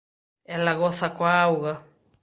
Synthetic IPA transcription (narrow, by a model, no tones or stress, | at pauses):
elaɣoθakwawɣa